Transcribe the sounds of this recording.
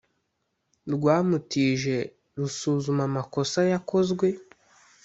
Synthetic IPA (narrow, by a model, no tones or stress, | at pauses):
ɾɡwaːmutiʒe̞ | ɾusuzumamako̞sajako̞zɡwe̞